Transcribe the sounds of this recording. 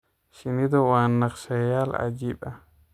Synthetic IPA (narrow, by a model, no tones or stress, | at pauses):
ʃinid̪ɔwanːaksɛjala̰d͡ʒiɓa